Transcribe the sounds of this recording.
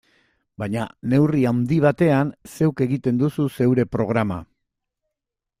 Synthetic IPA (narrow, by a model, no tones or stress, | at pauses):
baɲane̞wriawnd̪iβ̞at̪e̞anse̞wke̞ɣit̪e̞nd̪ususe̞wɾe̞pɾo̞ɣ̞ɾama̰